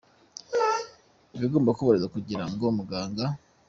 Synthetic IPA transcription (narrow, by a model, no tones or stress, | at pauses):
βiɡoːmbakuβoɾezakuɟiɾaŋɡomuɡaːŋɡa